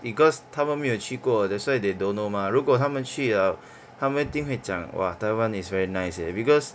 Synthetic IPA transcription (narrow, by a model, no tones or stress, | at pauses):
iɡɔst̪ʰamə̃nmĩət͡ʃʰikodɛswaidedõnomaɹukotʰamə̃nt͡ʃʰia | tʰãmə̃t̪ĩŋɦwet͡ʃã̰ŋwa̰tawãnisvɛɹinaɪsɛ̰bikɔs